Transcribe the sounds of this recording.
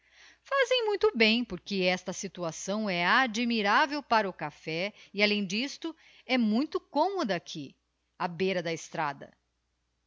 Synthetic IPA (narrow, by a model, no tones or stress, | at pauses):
fazẽj̃mũj̃t̪ʊbẽj̃poɾkɪɛst̪ɐsit̪uasɐ̃w̃ɛad͡ʒmiɾavewpaɾɐʊkafɛialẽj̃d͡ʒist̪ʊ | ɛmũj̃t̪ʊkõmod̪ɐːkʰi | ɐbejɾɐd̪ɐest̪ɾad̪ɐ̰